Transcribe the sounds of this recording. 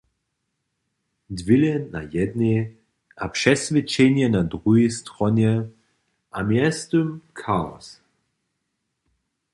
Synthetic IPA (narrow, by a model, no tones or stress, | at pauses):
d̪vilɛːajɛd̪ne | ʔapʂɛsvɛt͡ʃɛnjɛnad̪ʁujist̪ʁɔnjɛ | ʔamjɛst̪umkʰaɔ̰s